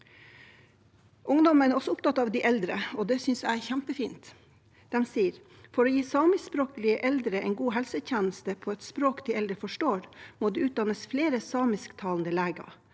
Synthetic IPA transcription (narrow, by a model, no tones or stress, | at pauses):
ʔʊŋd̪ɔmənæɾɔsɔʊpt̪ʰɑt̪ːɑːʋd̪ɪʔɛld̪ɾəɔd̪ɛsʏnsæɪæɾçæmpəfiːnt̪ | d̪̥ɛmsiːəɾ | fɔɾoːjiːsɑːmɪspɾoːkəlɪəʔɛld̪ɾəɛɪnɡuːɦɛlsəçænəst̪əpʰɔːɛt̪spɾoːkd̪iɛld̪ɾəfɔʂʈoːɾmoːd̪iːʉːt̪̚d̪ɑnəsfleːɾəsɑːmɪskt̪ʰɑːlnd̪əlæːɡɑ̰